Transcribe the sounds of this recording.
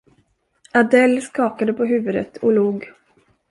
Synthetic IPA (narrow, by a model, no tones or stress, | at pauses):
ad̪ɛlːskɑːkad̪əpʰɔɦʉ̟ːvɵd̪ə̰t̪ʰɔluːɡ